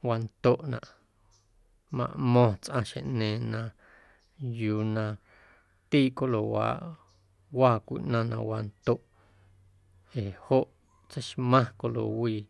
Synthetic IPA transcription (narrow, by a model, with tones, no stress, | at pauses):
waː˧nt̪o˦˨ʔnã̰˨ʔ | mã̰˨ʔmɔ̃ː˧t͡sʔã˧ʃḛ̃˨ʔnẽː˨nã˧ | juː˧nã˧ | t̪iː˦˨ʔko˦lo˨wa̰ː˨ʔ | waː˧˨kʷḭ˨ʔnã˧nã˧waː˧nt̪o˦ʔ | eː˨ho˦ʔ | t͡se˦jʃmã˦ko˧lo̰˨wiː˧˨